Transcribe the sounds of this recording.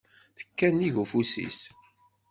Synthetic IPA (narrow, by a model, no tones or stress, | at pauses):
θə̥kːæniʝufusḭs